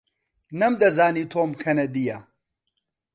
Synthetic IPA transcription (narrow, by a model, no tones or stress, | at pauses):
nɐmd̪ɐzaːniːt̪ʰoːmkʰɐnɐd̪ijɐ